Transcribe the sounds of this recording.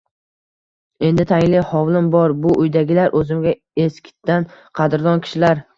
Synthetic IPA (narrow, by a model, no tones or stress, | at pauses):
e̞nd̪ɪt̪ʰaŋʲlɪhɒwlˠɪmbɒɾbʊʔʊjd̪aɡʲɪlaɾʔɵzɪmɡʲa | eskʲʰɪ̥t̪ːanqʰɑd̪ɾd̪ɒnkʲʰɪ̥ʃɪlaɾ